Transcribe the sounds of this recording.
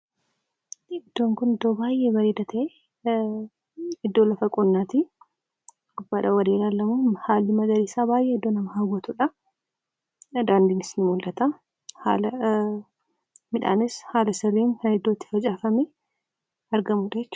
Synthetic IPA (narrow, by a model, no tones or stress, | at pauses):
ɪd̪̥ːo̞ːŋkʊnɪd̪ːo̞ːbaːjʔemɐɾiːd̪ɐt̪ʰɐʔe | ɪd̪ːoːlɐfɐkʼʊnːaːt̪i | ʊbaᶑɐwɐd̪eːlaːlːɐmuhaːlːɪmɐɡɐɾisaːbaːjʔeːɪd̪ːo̞ːnɐmɐhɐɡɐt̪uᶑɐ | d̪aːnd̪iːnɪsnɪmʊlʔɐt̪ɐ | ha̰ːlɐ | mɪᶑa̰ːnɪshaːlɐsɪrːiːŋkɐnɪd̪ːoːt̪ːɪ̥fɐd͡ʒʼaːfɐmɛ | ɐɾɡɐmuːᶑɐjɛt͡ʃː